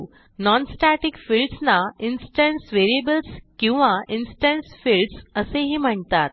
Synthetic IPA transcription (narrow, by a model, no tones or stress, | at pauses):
nɔnsʈaʈikfilɖsnainsʈəɳʈsʋeɾiebəlskĩw̃ʋainsʈəɳʈsfilɖsəseɦiːm̤əɳt̪at̪̚